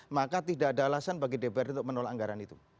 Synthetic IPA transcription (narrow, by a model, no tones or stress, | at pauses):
makat̪idadalasanbaɡidebɛɾunt̪ʊk̚mənolaaŋɡaɾanit̪u